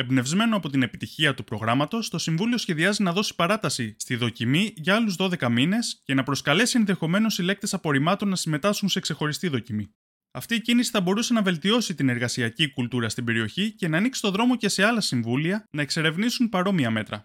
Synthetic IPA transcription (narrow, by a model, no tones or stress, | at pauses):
e̞bne̞vzme̞noɐpo̞t̪ine̞pit̪içiɐt̪upɾo̞ɣɾɐmɐt̪o̞st̪o̞siɱvulio̞sçe̞ðiɐzinɐðo̞si̥pɐɾɐt̪ɐsist̪iðo̞cimiʝɐɐluzðo̞ðe̞kɐmine̞sce̞nɐpɾo̞skɐle̞sienðe̞xo̞me̞no̞sile̞k̚t̪e̞sɐpo̞ɾimɐt̪o̞nːɐsime̞t̪ɐskunse̞kse̞xo̞ɾist̪iðo̞cimi | ɐft̪iecinisi̥θɐbo̞ɾuse̞nɐve̞lt̪io̞sit̪ine̞ɾɣɐsiɐcikult̪uɾɐst̪ibe̞ɾio̞çice̞nɐːniksi̥t̪o̞ðɾo̞mo̞ce̞se̞ɐlɐsiɱvuliɐnɐekse̞ɾe̞vnisunpɐɾo̞miɐme̞t̪ɾɐ̰